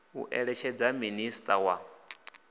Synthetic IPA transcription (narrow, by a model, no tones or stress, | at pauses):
ṵʔɛɺɛt͡ʃʰɛd͡zaministʼawa